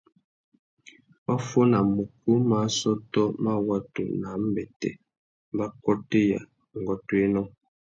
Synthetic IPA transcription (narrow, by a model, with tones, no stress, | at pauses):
ba˦fo˦na˨mu˨k̚u˦ma˨˦sɔ˦tɔ˦ma˦wa˦tṵ˨na˨˦m̩˦bɛ˨tɛ̰˨ | m˦ba˦kɔ˦te˦ja̰˨ | ŋ˨ɡɔ˦twe˦nɔ˦